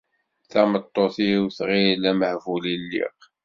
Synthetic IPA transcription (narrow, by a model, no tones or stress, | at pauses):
θæmət̪ˤːoθiwθʁilæməhvulilːḭq